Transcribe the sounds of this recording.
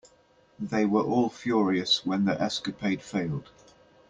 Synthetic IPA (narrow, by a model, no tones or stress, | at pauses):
ðeɪwəɹʔɔːlˠfjɔːɹiəswə̃nðiʔɛskəpʰeɪd̥feɪlˠd̥